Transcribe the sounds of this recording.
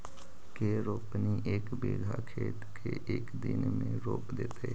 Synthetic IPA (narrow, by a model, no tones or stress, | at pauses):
keːɾoːpniʔeːkbeːɡʱakʰeːt̪kʰeʔeːkd̪ɪnmẽɾoːpd̪ḛːt̪e